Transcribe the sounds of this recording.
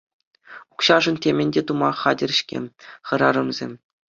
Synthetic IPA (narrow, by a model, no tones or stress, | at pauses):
ukɕɑʐɤ̆ntʲemʲɘ̆nʲdʲet̪umɑχɑdʲɘ̆r̆ʲɕkʲḛmʲχɤ̆ɾɑɾɤ̆mzʲḛmʲ